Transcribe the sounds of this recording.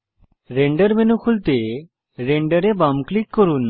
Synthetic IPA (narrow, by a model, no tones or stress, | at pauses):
ɾẽːɳɖəɾmɛːnũkʰʊlt̪e | ɾẽːɳɖəɾebamklikːəɾuːn